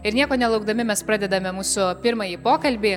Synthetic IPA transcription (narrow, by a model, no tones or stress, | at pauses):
ɪɾnʲiɛkoːnʲɛlˠɐʊɡd̪ɐmʲɪmʲɛspɾɑːd̪ʲɛd̪ɐmʲɛmuːsʊpʲɪɾmɐjiːpoːkɐlʲbʲɪː